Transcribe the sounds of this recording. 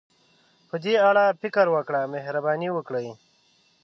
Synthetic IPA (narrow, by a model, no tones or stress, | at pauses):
pəd̪iaɽapikəɾwakɽameɦɾabaːniwəkɽəj